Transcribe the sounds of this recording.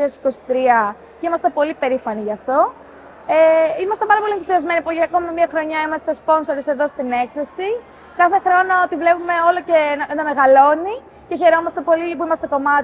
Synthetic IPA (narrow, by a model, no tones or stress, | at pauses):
iesi̥ko̞si̥t̪ɾiɐ | ceimɐst̪e̞po̞lipe̞ɾifɐniʝɐːft̪o̞ | eimɐst̪epɐɾɐpo̞lienθu̥siɐzme̞nipuʝiɐko̞mimiɐxɾo̞ɲɐimɐst̪e̞spo̞nso̞ɾise̞ðo̞st̪ine̞kθe̞si | kɐθe̞xɾo̞noot̪ivle̞pume̞o̞lo̞cenɐme̞ɣɐlo̞ni | ce̞çe̞ɾo̞mɐst̪e̞po̞lipuimɐst̪e̞ko̞mɐt̪